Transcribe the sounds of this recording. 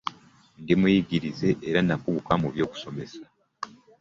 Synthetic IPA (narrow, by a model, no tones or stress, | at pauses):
ŋɡimujiɡiɾize̞ʔːɾanakuβukamuβjo̞ːku̥so̞me̞sḁ